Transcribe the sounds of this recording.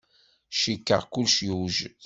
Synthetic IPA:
ʃikːə̰ʁkulːʃjuʒ

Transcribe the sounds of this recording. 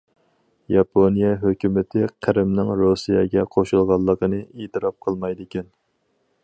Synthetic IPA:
jɑpʰonijɛɦøkʲymɪt̪ʰɪqʰæɾɪmnɪŋɾosijɑɡʲɛqʰoʃulˠʁɑlˠːəqənɨet̪ʰɨɾɑp̚qʰəlˠmɑjd̪ɪkʲɛn

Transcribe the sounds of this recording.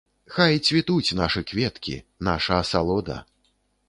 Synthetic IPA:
xajt͡sʲvʲit̪ut͡sʲnaʂɨkvʲɛt̪kʲḭnaʂɐːsalˠɔd̪ɐ̰

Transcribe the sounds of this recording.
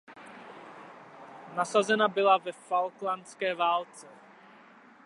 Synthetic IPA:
nasazɛnabɪlavɛfalklanskɛːvaːlt͡sɛ

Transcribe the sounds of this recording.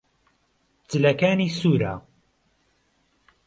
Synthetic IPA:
t͡sɨlɐkaːniːsuːɾa̰ː

